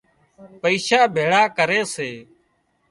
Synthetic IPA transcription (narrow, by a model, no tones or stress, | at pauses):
pəiːʃaːbʱeːɽaːkəɾeːseː